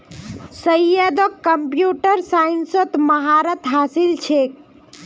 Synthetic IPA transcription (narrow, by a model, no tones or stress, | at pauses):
səjəd̪ɔkːəmpjuʈəɾsainsət̪məɦaɾət̪ɦasilt͡ʃʰek̚